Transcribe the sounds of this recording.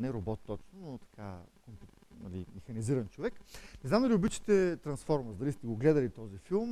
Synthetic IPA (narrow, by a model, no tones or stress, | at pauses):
nɛɾobɔt̪ːɔt͡ʃnonot̪ɐ̥kʰa̰komp | nɐ̰lḭmɛxɐniziɾɐnt͡ʃovɛknɛznamd̪ɐliobit͡ʃi̥t̪ɛt̪ɾɐnsfɔɾməzd̪ɐlist̪ɛɡoɡlɛd̪ɐlit̪ɔzifilˠm